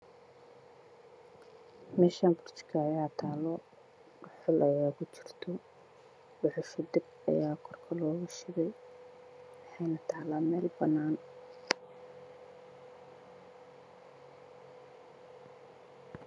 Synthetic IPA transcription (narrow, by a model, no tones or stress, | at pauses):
mɛːʃaːnbʊrt͡ʃkʰɐːjaːt̪ʰaːlɔ | rʊħɪlʔɐjaːkʊt͡ʃɪ̥rt̪ʰɔ | bʊħʊʃʊd̪ɪb̚ | ɐ̰jaːkʰɔrkʰɐlɔːɣʊʃɪɣɛj | wɑħɑjnɐt̪ʰaːlaːmɛːlbɐnaːn